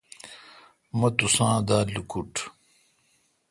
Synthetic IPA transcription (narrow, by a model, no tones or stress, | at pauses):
mɐt̪usãːd̪aːlukuʈ